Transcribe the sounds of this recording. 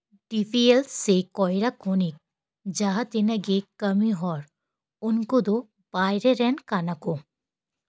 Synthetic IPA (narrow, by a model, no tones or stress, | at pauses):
ɖifielsekɔjɾakʰonik̚ | d͡ʑaɦat̪inɐɡekəmiɦɔɾ | unkod̪o | b̥ajɾeɾɛnkanako